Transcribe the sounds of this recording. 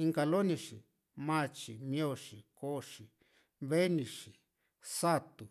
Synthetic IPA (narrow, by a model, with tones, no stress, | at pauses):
i˧ŋka˧lo˦nĩ˧ʂi˨ | mã˦˧t͡ʃi˨mĩ˧o˧ʂi˨ko˦˧ʂi˨ | βe˦nĩ˧ʂi˨ | sa˦t̪u˨